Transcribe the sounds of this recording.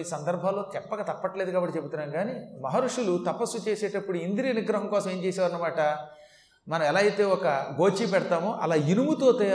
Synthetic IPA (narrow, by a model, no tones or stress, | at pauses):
iːsɐnd̪ɐɾbʱaːlːo̞ːt͡ʃɛpːɐɡɐt̪ɐpːɐʈle̞ːd̪ukaːbɐʈːit͡ʃebut̪unaːnɡaːnimɐɦɐɾuʂulut̪ɐpɐsːut͡ʃeːseːʈɐpːuɽuind̪iɾiɐniɡɾɐɦɐŋkɔːsɐme̞ːɲt͡ʃeːsɛːʋːɾɐnɐmaːʈɐ | mɐnɐ̃mɛlaːɐjt̪e̞ːɔkɐɡo̞ːt͡ʃipɛɽɐt̪aːmoʔɐ̰laːjinumut̪o̞ːt̪ɐ